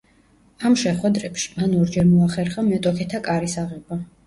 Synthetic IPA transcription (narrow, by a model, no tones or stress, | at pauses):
amʃɛχwɛd̪ɾɛpʃi̥manɔɾd͡ʒɛɾmɔaχɛɾχamɛt̪ʼɔkʰɛt̪ʰakʼaɾisaʁɛba